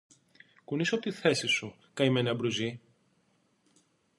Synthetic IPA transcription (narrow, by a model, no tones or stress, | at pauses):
kunisopot̪iθe̞sisu | kɐimeneɐbɾuzi